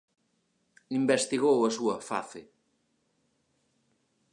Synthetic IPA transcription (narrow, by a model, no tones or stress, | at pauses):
imbɛst̪iɣowɐsuɐfa̰θe